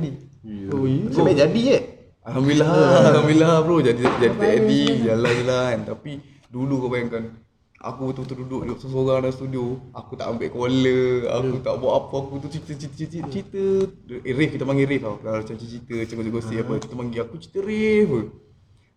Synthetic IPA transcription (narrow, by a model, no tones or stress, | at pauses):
di | sənad͡ʒadiə | alɦambilaɦalambilaɦpɾod͡ʒadid͡ʒadit̪aʔadid͡ʒalad͡ʒəlaɛnt̪api | dulukəbajaŋkan | a̰kubət̪ut̪ududʊʔ̚d͡ʒoʔsəsoɾaŋdalst̪udioakut̪a̰ʔambeʔkoləa̰kut̪aʔbuaʔapaakut̪ut͡ʃit̪ət͡ʃit̪t͡ʃit͡ʃit͡ʃit̪ə | rɪfkit̪əmaŋɡiɾɪfalat͡ʃant͡ʃit͡ʃit̪ət͡ʃakosəɡost̪iʔapəki̥t̪əmaŋɡiakut͡ʃi̥t̪əɾefə